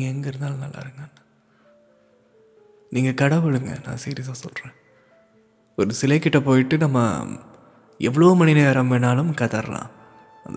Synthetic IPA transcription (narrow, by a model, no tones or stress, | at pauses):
ɡɐɛŋɡɐɪɾɯnd̪aːlnɐlːa̰ːɪɾɯŋɡɐnːa | niːŋɡɐkɐɽɐʋɯɭɯŋɡɐ̰nã̰ːsiːɾɪɐsaːsɔlrẽː | ɔɾɯsɪlɐɪkːɪʈːɐpoːjɪʈːɯnɐmːɐ̰ | ʔɛʋːɐɭɐʋomɐɳɪnɐɐːɾɐmʋeːnaːlɯmkɐðɐɾɐ̰lã̰ː | ɐ̰ð